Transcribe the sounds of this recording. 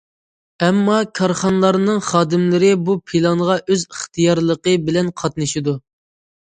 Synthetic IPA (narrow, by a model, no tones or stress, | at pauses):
ɛmːɑkʰɑɾχɑnlˠɑɾnɨŋχɑːd̪ɨmlɪɾɪbupʰilˠɑŋʁɑʔøziχt̪ʰɨjɑɾlˠəqəbɪlɛnqʰɑt̪nɨʃid̪u